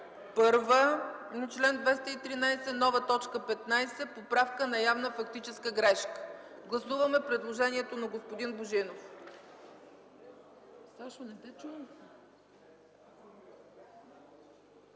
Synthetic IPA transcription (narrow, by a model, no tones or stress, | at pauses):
pɤɾvənɐt͡ʃlɛnd̪vɛst̪əit̪ɾinajsɛnɔvət̪ɔt͡ʃkəpɛt̪najsɛpopɾafkənɐjavnəfɐkt̪it͡ʃɛskəɡɾɛʃkə̥ɡlˠɐsuvəmɛpɾɛd̪lˠoʒɛniɛt̪onɐɡospod̪inboʒinof | saʃonɛbɛt͡ʃuns